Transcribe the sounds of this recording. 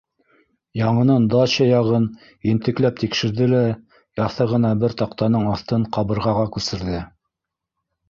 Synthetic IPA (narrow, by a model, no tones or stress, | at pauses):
jɑɴɤ̆nɤnd̪ɑɕɑjɑʁɤn | int̪ɘ̆klæp̚t̪ikʃɘ̆ɾðɘlæ | jɑθɤʁɤ̆nɑbɘɾt̪ɑqt̪ɑnɤɴɑθt̪ɤɴqɑβɤ̆ɾʁɑʁɑkʉsɘ̆ɾðɘ